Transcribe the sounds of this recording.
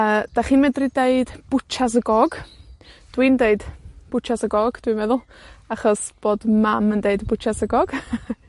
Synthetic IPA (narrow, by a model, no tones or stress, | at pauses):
əːd̥aχiːnmɛdrideɨdb̥ʊt͡ʃʰas̬əɡɔɡ̥ | d̥wiːndeɨdb̥ʊt͡ʃʰasəɡɔɡ̥d̥wimɛðʊlˠaχɔsb̥oːdmaməndeɨdbʊt͡ʃʰasəɡɔɡ̥